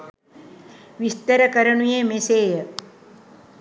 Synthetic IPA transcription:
ʋist̪əɾəkəɾəɳujeːmeseːjə

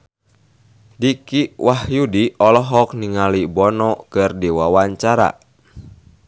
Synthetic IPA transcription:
dikiwʔahjudiɔlɔɦɔk̚niŋalibɔnɔkɨrdiwawaɲt͡ʃaɾa̰

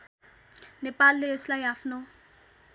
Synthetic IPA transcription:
nɛpʼalleslajafnɔ

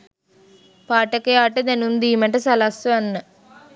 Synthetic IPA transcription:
paːʈːɐkːɐjaːʈːɐd̪ɐnund̪iːmɐʈːɐsɐlasɐɐnːɐ

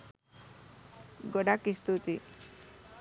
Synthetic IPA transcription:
ɡɔɖakist̪ut̪i

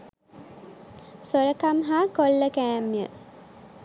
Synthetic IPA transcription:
soɾəkamɦaːkolːəkæːmijə̰

